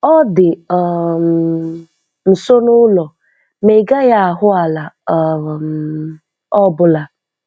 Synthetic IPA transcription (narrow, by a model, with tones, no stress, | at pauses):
ɔ˦dɪ˨ɔ˨ | n̩˨so˦nʊ˦lɔ˨ | me˨ɡa˦ja˦a˨ɦʊ˦a˨la˨ | m˨ | ɔ˦bʊ˦la˨